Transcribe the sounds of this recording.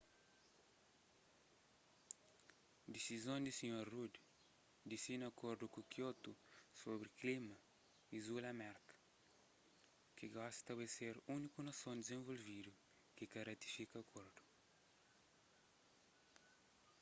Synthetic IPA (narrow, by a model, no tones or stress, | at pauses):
d̪isizõnd̪isiɲoɾrud̪ | d̪isinɐkoɾd̪ukukjot̪usobɾiklimɐ | izulɐmɛɾkɐ̥ | kiɡasst̪ɐβeseɾunikunɐsõnd̪izẽvolvid̪u | kɪkɐrɐt̪i̥fikɐkʰoɾd̪u̥